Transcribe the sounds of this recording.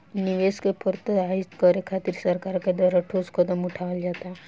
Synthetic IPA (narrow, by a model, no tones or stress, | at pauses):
nɪʋeːskepʰəɾt̪əaːɪt̪kɔɾekʰaːt̪ɪɾsɐɾkaːɾked̪waːɾaʈʰoːskʰot̪əmʊʈʰaəld͡ʒaːt̪aɦɛ